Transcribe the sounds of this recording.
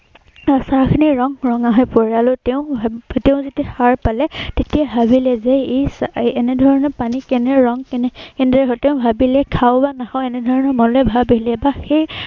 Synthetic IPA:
saɹkʰiniɹɔŋɹɔŋaɦɔjpɔɹialʊtɛʊ̃teʊ̃zitixaɹpalɛtetiabʱabilɛzɛesːnɛdʱɔɹɔnɔpanikɛnɛɹɔŋkɛnɛkɛndɹɛɦɔtɛʊ̃bʱabilɛkʰawbanaxʰawɛnɛdʱɔɹɔnɔmɔlɛbʱabelɛbaxej

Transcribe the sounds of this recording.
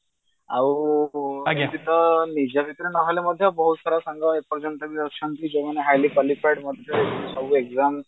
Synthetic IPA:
aʋu | t̪it̪ənid͡ʑjabʱit̪ɾenaʋaljaməd̪ʱːjabəɦut̪saɾasaŋɡaek̚pəɾd͡ʑənt̪əɡiəʂənt̪iːd͡ʑeʋ̤aneɦajlipalipʰajʈməd̪ʱjasəʋuːeɡzam

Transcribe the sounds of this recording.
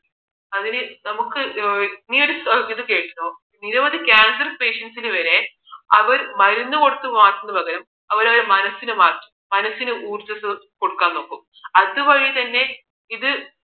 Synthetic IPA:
ɐðinɨnɐmukːɨniːo̞ɾusiðɨke̞ːʈːɐnoː | niɾɐmɐðikʲaːnsɐrpe̞ːʂɐnsilɨʋɐɾe̞ | ɐʋɐɾmɐɾunːuko̞ɽut̪ːuʋaːkːunːɐbɐɣɐɾɐm | ɐʋɐɾɐʋɐɾemɐnɐsːinɨmaːrtːu̥mmɐnɐsːinɨʔuːrt͡ɕːɐsɨko̞ɽukːaːnːo̞ːkːum | ɐðɨʋɐɻit̪ɐnːe̞ | iðɨ

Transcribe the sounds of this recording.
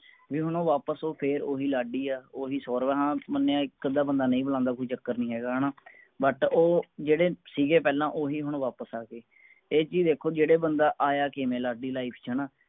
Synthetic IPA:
ʋiːɦʊɳõːʋaːpəsoːpʰeːɾoːɦiːlaːɖiːaːoːɦiːsɔːɾʋɛ̃ːɦãːmənːeːãːkəd̪aːbənd̪aːnəĩːbəlãːnd̪aːkoːiːt͡ʃəkːəɾnĩːɦɛːɡaːɦɳaː | bəʈoːd͡ʒeːɽeːsiːɡeːpɛːlãːʔoːɦiːɦʊɳ̃ːʋaːpəsaːkeː | eːt͡ʃiːd̪eːkʰoːd͡ʒeːɽeːbənd̪aːʔaːjaːkeːmẽːlaːɖiːlaːiːpʰt͡ʃʰəɳaː

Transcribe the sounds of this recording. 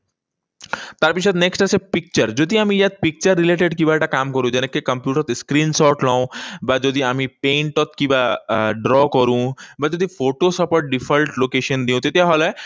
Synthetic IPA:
t̪aɾpikʂ̬at̪neksʈəsepik̚t͡ɕəɾd͡ʑod̪ʱiːamijat̪̚pik̚t͡ɕəɾːileʈeɽkĩw̃ʋaʈakamkəɾũd͡ʑɛnekːekəmpjuʈəɾt̪skɾiːnsɔɾʈlãũbad͡zod̪ʱiamipẽɳʈɔt̪kĩw̃ʋaɖɾɔkəɾũːbad͡zod̪ʱifoʈosɔpəʈ̚ɖifəlʈlokeɕənd̪ĩũt̪et̪jaɦɔla

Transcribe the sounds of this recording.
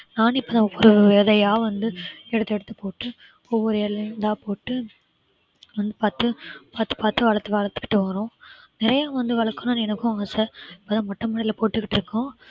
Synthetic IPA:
naːnɪpːoːt̪ãːɔʋːɔɾɯʋeːðɐjaːʋɐnd̪ɯɛɽɯt̪ːɛɽɯt̪ːɯ̥poːʈːɯ | ɔʋːɔɾɯɛlɐnd̪ãːpoːʈːɯ | ʋɐnd̪ɯpaːɾt̪ːɯpaːɾt̪ːɯ̥paːɾt̪ːɯʋɐɻɐt̪ːɯʋɐɭɐt̪ːɯ̥kːɪ̥ʈːɯʋɐːɾõː | nɪɾɐjaːʋɐnd̪ɯʋɐɭɐkːɯnɐnɛnɐkːʊ̃aːsɛɪpːoːt̪ãːmɐʈːɐmɐɽɐlɐpoːʈːɯkːɪʈːɪɾɯkːõː

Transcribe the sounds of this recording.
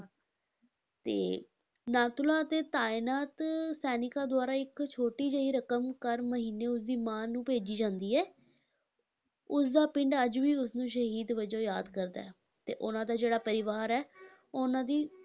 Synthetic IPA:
t̪ḛː | naːt̪ʊlãːt̪eːt̪aːɪnaːt̪sɛːnɪkaːd̪ʊaːɾaːɪkt͡ʃʰoːʈiːd͡ʒəɦiːɾəkəmkəɾməɦiːneːʊsd̪iːmãːnũːpeːd͡ʒiːd͡ʒãːnd̪iːɛː | ʊsd̪aːpɪ̃ɳɖəd͡ʒʋiːʊsnũːʃəɦiːd̪ʋəd͡ʒoːjaːd̪kəɾd̪a̰ːɛː | t̪ḛːʔʊnãːd̪aːd͡ʒeːɽaːpəɾɪʋaːɾɛː | ʊnãːd̪iː

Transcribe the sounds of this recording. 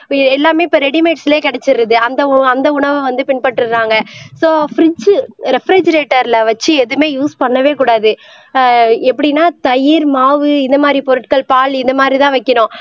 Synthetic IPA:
ɛlːaːmeːɪpːɐɾɛɽɪmeːʈsɪleːkɪɽɛt͡ʃːɪɾɯðɯɐnd̪ɐɐnd̪ɐʊɳɐʋɯʋɐnd̪ɯpɪnpɐʈːɯɾaːŋɡɐsoːfɾɪd͡ʒɾɛfɾid͡ʒɐɾeːʈːɐɾlɐʋɐt͡ʃːɯɛðɯmeːjuːspɐɳːɐʋeːkuːɽaːðɯ | ɛpːɐɽinːaːt̪ɐjɪɾmaːʋɯɪnd̪ɐmaːd̪ɾipɔɾɯʈkɐɭpaːlɪnd̪ɐmaːd̪ɾit̪ãːʋɐɪkːɐɳʊ̃

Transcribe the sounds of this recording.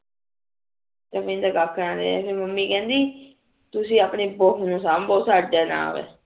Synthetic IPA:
t̪əːmɪ̃nd̪aːɡakʰːəɾãːd̪ḛːpeməmːĩːkɛ̃ːnd̪iː | t̪ʊsĩːaːpɳeːboɦnũːsaːmboːsaːɛːna̰ːʋḛː

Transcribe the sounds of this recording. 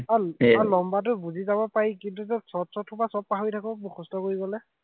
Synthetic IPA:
aalɔmbat̬ʊbuzizabɔpaɹikintuzɔsɔtsɔtʰːubasɔp̚paɦɔjtʰakɔbuxʰɔstɔkoɹiɡɔlɛ

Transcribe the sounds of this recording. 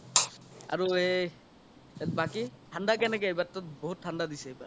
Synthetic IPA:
a̰ɹue | bakitʰandakɛnɛkɛejbatːɔt̚boɦutʰːandadisɛejba̰

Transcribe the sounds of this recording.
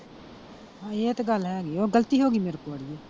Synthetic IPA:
ɦãːeːt̪eɡəlɦɛːɡiːoːɡəlt̪iːɦoːɡiːmeːɾkoːɽɪjeː

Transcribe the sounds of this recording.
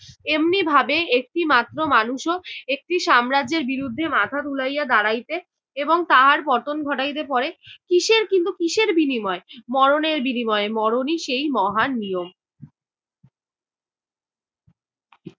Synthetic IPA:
emnibʱabeek̚ʈimat̪ːɾomanuʃoek̚ʈiʃamɾad͡ʑeɾbiɾud̪ʱːemat̪ʰat̪ulajad̪aɾajt̪e | eboŋt̪aɦaɾpɔɾt̪onɡʱɔʈajt̪̬epɔɾekiʃeɾkint̪ukiʃeɾbinimɔemɔɾoneɾbinimɔemɔɾoniʃejmɔɦanːijom

